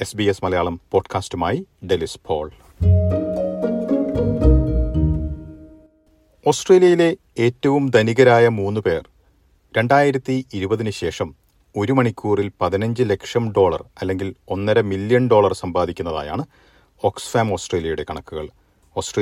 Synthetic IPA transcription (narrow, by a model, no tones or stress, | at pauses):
e̞sbiesmɐlɐjaːɭɐmpo̞ːɖkʰaːstumaːjiɖelispʰo̞ːɭ | o̞ːsʈreːlijɐjile̞ | eːtːɐʋumd̪ɐniɣɐɾaːjɐmuːnːupe̞ːr | ɾe̞ɳɖaːjiɾɐt̪ːiːɾubɐðinɨɕe̞ːʂɐm | o̞ɾumɐɳikʲːuːrilpɐðinɐɲd͡ʑɨle̞kʂɐmɖo̞ːɭɐ̰rɐlːe̞ŋɡilo̞nːɐɾɐmilːjɐɳɖo̞ːɭɐrsɐmbaːd̪ʱikʲːunːɐða̰ːja̰ːɳɨ | o̞ːksfaːmo̞ːsʈreːljɐjuɽe̞kɐɳɐkːuɣɐ̰ɭ | o̞ːsʈre